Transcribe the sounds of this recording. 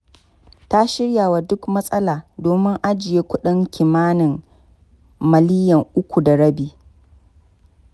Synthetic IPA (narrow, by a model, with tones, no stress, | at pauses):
ta˦ʃɪ˦ɽjaː˨wa˨dʊ˦kmɐ˦sʼɐ˦laː˨doː˨mɪ˦ŋʔa˦d͡ʒɪ˨jeː˦kʷʊ˦ɗɪ˦ŋkʲɪ˨maː˦nɪ˨m | mɐ˨liː˦jɐ˨ŋʔʊ˦kʷu˨da˨ɽɐ˦biː˨